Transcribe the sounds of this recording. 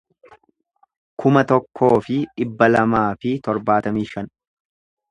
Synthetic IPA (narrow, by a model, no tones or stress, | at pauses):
kʰʊmɐt̪ɔkʰːo̞ːfɪᶑɪbːɐlɐmaːfɪt̪ɔɾbaːt̪ɐmiːʃɐn